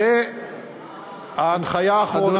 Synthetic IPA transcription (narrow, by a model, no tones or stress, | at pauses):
e | anχajaχo